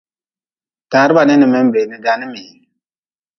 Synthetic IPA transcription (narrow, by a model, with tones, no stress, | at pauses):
ta˨˦ɾba˨nɛ˦ni˨mɛ˦m˦be˨ni˨ɡa˦ni˦mi˨